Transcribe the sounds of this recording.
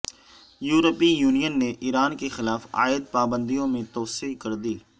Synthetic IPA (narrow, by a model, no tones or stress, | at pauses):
juːɾəpijuːnijənːeʔiːɾaːnkexɪlaːfa̰ːɪd̪̚paːbə̃nd̪ijõmẽt̪ɔːsiːkəɾd̪iː